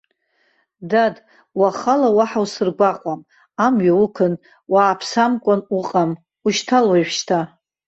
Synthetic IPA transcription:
dad | waχalawaħawsɨrɡʷaqʷʼam | amɥaukʰɨn | waːpʰsamkʷʼanuqʼam | uʃtʰalwajʃʃtʰa

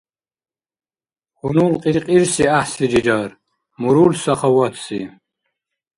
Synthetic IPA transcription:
χunuːlqʼiqʼiɾsiaħsid͡ʒid͡ʒaːr | muɾulsaχawat̪ʰsḭ

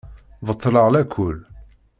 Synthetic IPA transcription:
vət̪ˤːləʁlækʰʊl

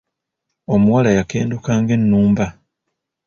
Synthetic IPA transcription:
o̞muwalajake̞ːndukaːŋɡe̞nːuːmba

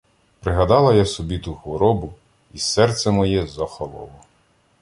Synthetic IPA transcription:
pɾɪɦɐd̪ɑlˠɐjasɔbʲit̪uxʋɔɾɔbʊ | isɛrt̪sɛmɔjɛzɐxɔlˠɔ̰lˠɔ

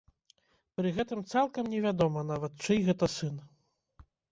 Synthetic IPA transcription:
pɾɨɣɛt̪ɨmt̪salˠkɐmnʲɛvʲad̪ɔmɐnavɐt̪̚t͡ʂɨjɣɛt̪ɐsɨn

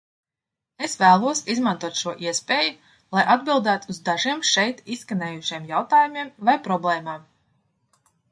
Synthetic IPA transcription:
esvæːlˠuɔsizmant̪uɔt̪ʃuɔʔiɛspʲeːju | lˠajʔad̪̚bilˠd̪æːt̪uzd̪aʒiɛmʃɛjt̪isːkaneːjuʃiɛmjawt̪aːjumʲiɛmvajpɾɔblˠɛːmaːm

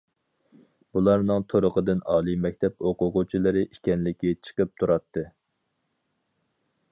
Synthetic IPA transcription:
b̥ulˠɑɾnɨŋt̪ʰoɾʊqəd̪ɨnɑːlˠimɛkʲt̪ʰɛp̚oqʊqʊt͡ʃʰilˠɨɾɨʔikʲɛnlɪkʲːit͡ʃʰə̥qəp̚t̪ʰuɾɑt̪ʰːɨ

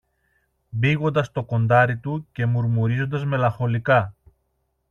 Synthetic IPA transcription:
biɣo̞nd̪ɐst̪o̞ko̞nd̪ɐɾit̪uce̞muɾmuɾizo̞nd̪ɐzme̞lɐxo̞likɐ

